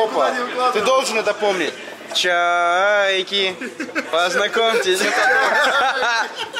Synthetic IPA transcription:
opət̪ɨd̪olˠʐɨnɛt̪ɐpomnʲɪtʲ | t͡ʃa | ekʲipɐznɐkomtʲɪsʲ

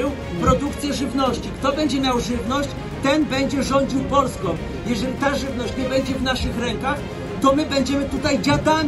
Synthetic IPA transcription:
ɛ | pɾɔd̪uk̚t̪sʲjɛʐɘvnɔɕt͡ɕikt̪ɔbɛɲd͡ʑɛmʲjawʐɘvnɔɕt͡ɕ | t̪ɛnbɛɲd͡ʑɛʐɔɲd͡ʑiwpɔlskɔ̃m | jɛʐɛlʲit̪aʐɘvnɔɕt͡ɕɲɛbɛɲd͡ʑɛvnaʂɘxɾɛŋkax | t̪ɔmɘbɛɲd͡ʑɛmɘt̪ut̪ajd͡ʑad̪aɲʲ

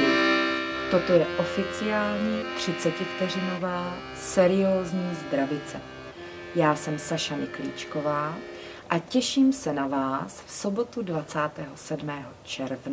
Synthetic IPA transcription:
t̪o̞t̪o̞jɛʔo̞fɪt͡sɪaːlɲit̪r̝̥ɪt͡sɛcɪft̪ɛr̝ɪno̞vaː | sɛɾɪjoːzɲiːzd̪ɾavɪt͡sɛ | jaːsɛmsaʃamɪkliːt͡ʃko̞vaː | ʔacɛʃiːmsɛnavaːsfso̞bo̞t̪udvat͡saːt̪ɛːɦo̞sɛdmɛːɦo̞t͡ʃɛɾvna

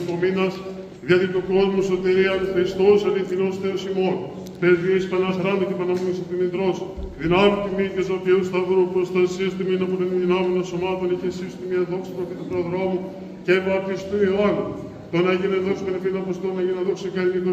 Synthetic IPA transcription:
pominɐs | ðjɐðit̪oko̞zmosot̪eɾiɐnxɾist̪osɐliθinosθeosimo̞n | pezviispɐnɐxɾɐnd̪icepɐnɐmonisit̪inind̪ɾo̞sðinɐmut̪imitesopeust̪ɐðɾupɾost̪ɐsiɐst̪uminɐput̪oniðinɐmenonsomɐt̪o̞niçesisi̥t̪imɐðo̞ksipɾoft̪it̪upɾoðɾo̞mu | cɐpɐɐpt̪isi̥t̪oioɐno | t̪onɐʝineðoksi̥pɐnefinɐpost̪onɐʝineðoksekɐit̪o

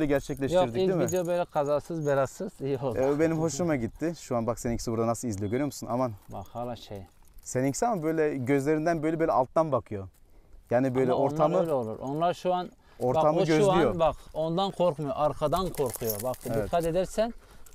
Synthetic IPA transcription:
ølʲɛɟæɾt͡ʃʰɛclʲɛʃt̪ʰiɾd̪iid̪imid̪ejobøjlʲɛkʰazaːsɯzbeɾasɯz̥ijiolˠbe̞nimɦo̞ʃlumaɟit̪ʰːɪʃuanbakseniɲcʰisibuɾd̪anasɯlˠizlijo̞ɟøɾyjomusunamanba̰xhalˠːaʃej | senincʰi̥sʲiamabøjlʲɛɟøzlʲe̞ɾind̪ænbø̞jlʲɛbølʲɛalˠt̪ːanbakʰɯjo | jaːnibøjlʲɛʔo̞ɾt̪ʰamɯlʲolˠṵɾonlˠaɾʃuan | o̞ɾt̪ʰamɯɟøzijobako̞nd̪ankʰoɾkmujoʔaɾkʰad̪ankʰo̞ɾkʰujobakedviɛkʰat̪e̞d̪ɛɾsæn

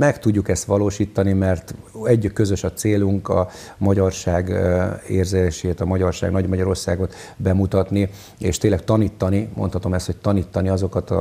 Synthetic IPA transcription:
mɛkt̪uɟːukɛst̪ʋɒloːʃiːt̪ːɒnimɛrt̪ɛɟːkːøzø̞ʃɒt̪seːluŋkɒ̰ | mɒɟɒrʃaːɡeːrzeeʃeːt̪ɒmɒɟɒrʃa̰ːɡnɒɟmɒɟɒɾo̞rsaːɡo̞t̪ | bɛmut̪ɒt̪ni | eːʃt̪eːnlɛkt̪ɒniːt̪ːɒnimʔo̞nt̪hɒt̪o̞mɛst̪ho̞c̚t̪ɒniːt̪ːɒniɒzo̞kɒt̪ɒ̰

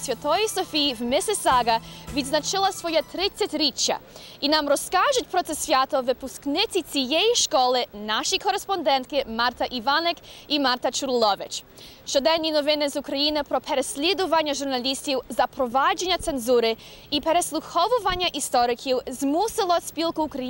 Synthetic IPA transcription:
sjʲat̪ɔjɔjsɔfiːvmɪsɛsaɡavid̪znat͡ʃɪlˠasvɔjat̪ɾɪt̪sʲatʲɾit͡ʃːa̰inamɾɔskaʒʊt̚ʲpɾɔt̪sɛsvʲjat̪ɔvɪpusknɪt̪sʲit̪sʲijɛjʃkɔlˠɪnaʃikʰɔɾɛspɔnd̪ɛnt̪̚kɪmaɾt̪aʔivanɛkimaɾt̪at͡ʃuɾlˠɔʋɪt͡ʃʃt͡ʃɔd̪ɛnʲinɔvɪnɪzukɾajinɪpɾɔpʰɛɾɛsʲlʲɛd̪uʋaɲʲːaʒuɾnalʲist̪ʲiwzapɾɔvad͡ʒɛɲʲat̪sɛnzuɾɪ | ipɛɾɛslˠuxɔʋʊvaɲʲjaʔist̪ɔɾɪkʰiwzmusɪlˠɔspilˠkuːkɾaji

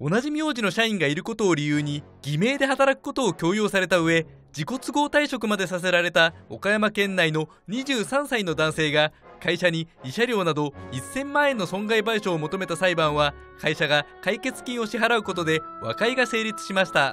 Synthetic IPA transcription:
o̞naʑimʲio̞ːʑino̞ɕaĩŋɡaiɾɯ̟ko̞t̪o̞ːɾʲijɯːɲ̟i | ɡ̥ʲime̞ːd̪e̞ɦat̪aɾakɯ̟̥ko̞t̪o̞ːkʲo̞ːjo̞ːsaɾe̞t̪aɯ̟e̞ | d͡ʑiko̞t͡sɨɡo̞ːt̪aiɕo̞kɯ̟mad̪e̞sas̬e̞ɾaɾe̞t̪ao̰kajamakẽ̞nːaino̞ | ɲ̟iʑɨːsãɰ̃saino̞d̪ãɰ̃se̞ːɡakaiɕaɲ̟iːɕaɾʲo̞ːnad̪o̞isːẽ̞mːãːẽ̞nːo̞sõ̞ŋɡaibaiɕo̞ːmo̞t̪o̞me̞t̪asaibãɰ̃βa | kaiɕaɡakaike̞t͡sɨ̥kʲĩɰ̃o̞ɕiɦaɾaɯ̟ko̞t̪o̞d̪e̞βa̰kaiɡase̞ːɾʲit͡sɨ̥ɕimaɕi̥t̪a

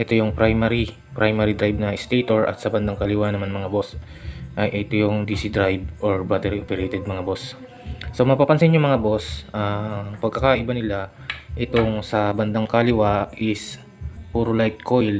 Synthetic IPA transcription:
ʔɛt̪o̞jʊŋpɾajmaɾi | pɾajmaɾid̪ɾajb̚nɐʔɪst̪ejt̪oɹʔɐ̰t̪sɐbɐnd̪aŋkɐlɪwanɐmanmɐŋabo̞s | ʔɐjʔɛt̪o̞jʊŋd̪iːsid̪ɾajb̚ʔoɹbat̪ɛɾiʔopɛɾejt̪ɛd̪̚mɐŋabo̞sː | omɐpapɐnsɪnjʊŋmɐŋabo̞sʔɐpɐɡ̚kɐkaːʔɪbanɪla | ʔɪt̪o̞ŋsɐbɐnd̪aŋkalɪwaʔɪs | puɾolajt̪̚kʰo̞jl

